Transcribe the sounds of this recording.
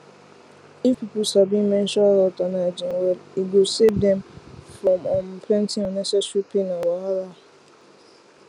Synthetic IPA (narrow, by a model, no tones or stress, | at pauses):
ikupusabĩmẽn̩ʃɔlɔtanad͡ʒin̩weiɡoseb̚dɛ̃mfɾɔmɔm̩pʰɾɛ̃ntiɔ̃nesɛʃupinawaala